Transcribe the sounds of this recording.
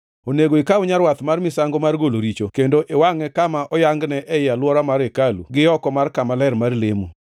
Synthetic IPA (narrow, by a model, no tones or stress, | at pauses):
oneɡoikaʊɲaɾwat̪marmɪsaŋɡomarɡoloɾit͡ʃokendoʔewaŋɛkamaʔɔjaŋɡnɛʔɛɪalwɔɾamaɾekalṵɡɪɔkɔmarkamalɛrmarlemu